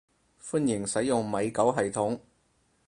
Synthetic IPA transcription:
fu˥njɪ˨˩ŋsɐ˨˥jjʊ˨ŋmɐ˨˧jkɐ˨˥wɦɐ˨jt̪ʰʊ˨˥ŋ

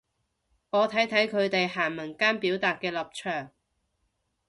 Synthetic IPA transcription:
ŋɔː˨˧t̪ʰɐ˨˥jt̪ʰɐ˨˥jkʰɵ˨˧ɥt̪e˨jɦaː˨˩nmɐ˨˩nkaː˥npiː˨˥wt̪aː˨t̚kɛː˧lɐ˨p̚t͡ʃʰœː˨˩ŋ

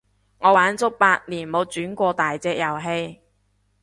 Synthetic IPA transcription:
ŋɔː˨˧waː˨˥nt͡sʊ˥k̚paː˧t̚niː˨˩nmo˨˧wt͡syː˨˥nkʷɔː˧t̪aː˨jt͡sɛː˧k̚jɐ˨˩wɦe˧j

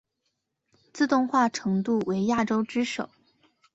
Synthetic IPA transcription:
t͡sɹ̩˥˧t̪ʊ˥˧ŋxwa˥˩ʈ͡ʂʰɤ˧˥ŋt̪u˥˩we˧˥ɪja˥˩ʈ͡ʂo˥ʊʈ͡ʂɻ̩˥ʂo̰˨˩˦ʊ

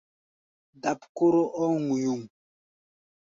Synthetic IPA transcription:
da˨pko˦ɾo˦ʔɔ˦ŋu˨ju˨ŋ

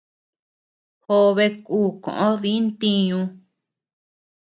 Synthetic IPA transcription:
ho˧βe˧kuː˦˨kõ̰˨ʔõ˦ðĩ˦nt̪i˧ɲũ˧

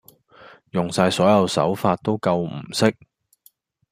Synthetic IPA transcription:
jʊ˨˩ŋsaː˧jsɔː˨˥jɐ˨˧wsɐ̰˨˥wfaː˧t̚t̪o˥wkɐ˧wm̩˨˩sɪ˥k̚

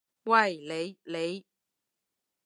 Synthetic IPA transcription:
wa˥˩jle˨˧˥jle˨˥˦j

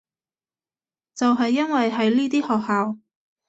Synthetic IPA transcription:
t͡sɐ˨wɦɐ˨jːɐ˥nwɐ˨jɦɐ˨˥jliː˥t̪iː˥hɔː˨k̚haː˨w

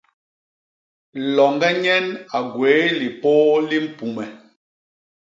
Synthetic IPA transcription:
lɔ˨ŋɡɛ˦ɲɛ˦na˨ɡwe˨˦li˨poː˦li˦m̩˦˨pu˨mɛ˨

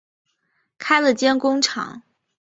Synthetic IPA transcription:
kʰa˥ɪlə˨t͡ɕjɛ˥nkʊ˥ŋʈ͡ʂʰɑ̰˨˩˦ŋ

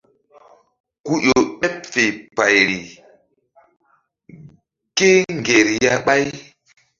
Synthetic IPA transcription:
ku˦jo˨ɓɛ˦p̚fe˨pa˨jɾi˨ | ke˦ŋɡe˨ɾi˨ja˦ɓa˦j

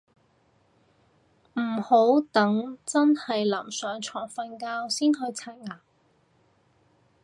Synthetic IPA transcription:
m̩˨˩ho˨˥wt̪ɐ˨˥ŋt͡sɐ˥nhɐ˨jlɐ˨˩msœː˨˥ŋt͡ʃʰɔː˨˩ŋfɐ˧nkaː˧wsiː˥nɦɵ˧ɥt͡sʰaː˧˩t̚ŋaː˨˩

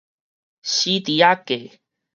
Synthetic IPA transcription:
ɕi˦t̪i˨˦a˦ke˨

